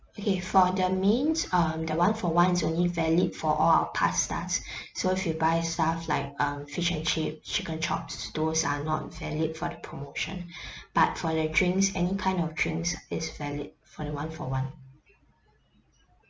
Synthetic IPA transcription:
okʰefɔdəmĩnsʌmdəwãnfɔwãnɪsõnlivɛlid̚fɔʔɔla̰wəpʰa̰sta̰sːoifjibaɪstaflaɪk̚ʌ̃mfiʃɛ̃nt͡ʃip̚t͡ʃikə̃nt͡ʃʰɔ̰psd̥osa̰nɔ̰t̚vɛlid̚fɔdəpʰɹomoʃə̰̃nb̥at̚fɔdədɹĩŋksɛnikʰãɪ̃ndɔfdɹĩŋksɪsvɛlid̚fɔdəwãnfɔ̰wãn

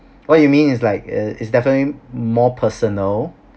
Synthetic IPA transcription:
wɔt̚jumĩnɪslaɪkɪtsdɛfənətlimɔpʰəsənəl

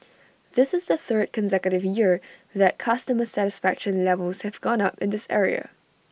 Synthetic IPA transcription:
ðɪsɨzðəθɜ˞d̚kʰə̃nsɛkjəɾɪvjɪɹðɨt̚kʰʌstəməsæɾɨsfækʃə̃nlɛvəlˠz̥hɨvɡɔ̃nʌpɪ̃nðɪsɛ̰ɹḭə̰

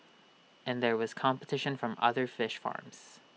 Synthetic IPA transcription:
ʔɨ̃nðə˞wʌz̥kʰɑ̃mpətʰɪʃɨ̃nfɹʌ̃mʌ̰ðə˞fɪʃfɑ̰ɹmz̥

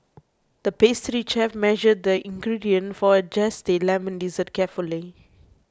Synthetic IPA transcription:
d̪̥əpest̪ɹit͡ʃɛfmɛʒəd̚əʔĩŋɡɹidiə̃nfɔəd͡ʒɛsdelɛ̃mə̃ndizət̚kɛfuli

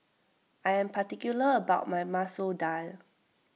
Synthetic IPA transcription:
ʔajɛ̃mpatikjuləəbaʊt̚majmasodal

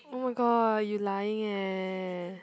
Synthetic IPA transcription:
oʊmaɪɡɑjulajɪ̃ŋɛ

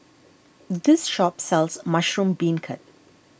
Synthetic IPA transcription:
d̪ɪsʃɔpsɛlzmaʃɹũmbĩːnkʰə̰t̚

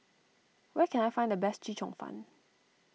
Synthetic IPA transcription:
wɛkʰɛ̃najfãɪndəbɛstt͡ʃit͡ʃɔ̃ŋfã̰n

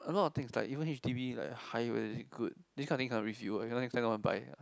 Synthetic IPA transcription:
əlɔtɔft̪ɪ̃ŋsla̰ɪkivə̃nhifdibila̰ɪkhaɪwɛ̰diɡud̚diskʰãntĩŋkʰãnɹivjuinonɛ̃kstãwãnba̰ɪa̰

